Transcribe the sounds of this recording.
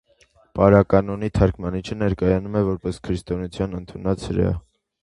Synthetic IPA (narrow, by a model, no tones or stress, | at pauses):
pɑɾɑkɑnɔnit̪ʰɑɾkʰmɑnit͡ʃʰənɛɾkɑjɑnumɛvɔɾpɛskʰɾist̪ɔnut͡sʰjɑnənt̪ʰunɑt͡shəɾɑ̰